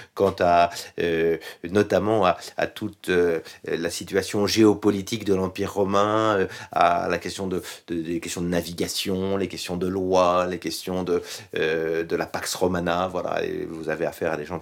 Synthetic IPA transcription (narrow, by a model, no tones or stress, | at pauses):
kɑ̃t̪aønɔt̪amɑ̃aa̰t̪ʰut̪ølasit̪ɥasjɔ̃ʒeɔpɔlit̪ikd̪əlɑ̃piʁːɔmɛ̃øa̰lakʲɛst̪jɔ̃d̪əd̪ədekɛst̪jɔ̃d̪ənaviɡasjɔ̃lekʲɛst̪jɔ̃d̪əlwalekʲɛst̪jɔ̃d̪ə | d̪əlapaksʁɔmanavwala̰ḛvuzaveafɛʁad̪eʒɑ̃